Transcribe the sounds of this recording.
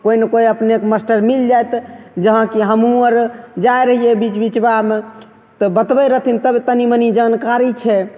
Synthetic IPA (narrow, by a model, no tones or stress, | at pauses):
koinəkoiəpnekməsʈəɾmild͡ʒajt̪d͡ʒəɦə̃kiɦəmuəɾd͡ʒaeɾəɦijebit͡ʃbit͡ʃbame | t̪ɔbət̪bəjɾəɦt̪ʰint̪əbt̪ənimənid͡ʒankaɾit͡ʃʰɛ